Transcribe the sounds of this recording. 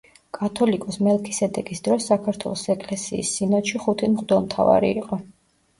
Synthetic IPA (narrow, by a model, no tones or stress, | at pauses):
kʼat̪ʰɔlikʼɔsmɛlˠkʰisɛd̪ɛkʼisd̪ɾɔsːakʰaɾt̪ʰwɛ̰lˠɔsɛkʼlɛsḭːsːinɔt̪ʃiχut̪ʰimʁd̪ɛlˠmt̪ʰava̰ɾḭiqʼɔ